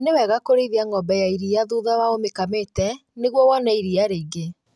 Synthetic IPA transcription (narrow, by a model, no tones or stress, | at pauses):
newɛɣakoɾeiðiaŋɔmbɛjaiɾiaðuðawaomekametɛneɣwɔwɔnaiɾiaɾeiɡe